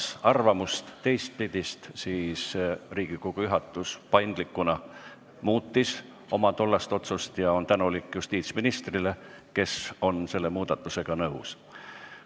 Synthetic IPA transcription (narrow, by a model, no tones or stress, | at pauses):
sɑrvɑmust̪ːe̞jst̪̚pid̪̥ʲist̪siːsriːɡ̥ikoɡ̥ujyɦɑt̪ːˑuspɑjnd̪̥likːˑunɑ | muːt̪ːis | o̞mɑt̪o̞lːɑst̪o̞t̪sust̪jɑo̞nt̪ænulikːˑjust̪iːt̪sminist̪rile̞ | ke̞so̞nse̞lːe̞muːd̪ɑt̪ːˑuse̞ɡ̥ɑnɤws